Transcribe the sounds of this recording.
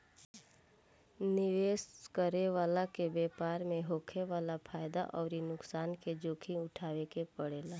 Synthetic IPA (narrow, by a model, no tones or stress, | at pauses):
nɪʋeːskəɾeʋaːlakebeːpaːɾmẽɦoːkʰeʋaːlapʰaːjd̪aʔɔːɾinʊksaːnked͡ʒoːkʰĩʊʈʰaːʋekepəɽeːlaː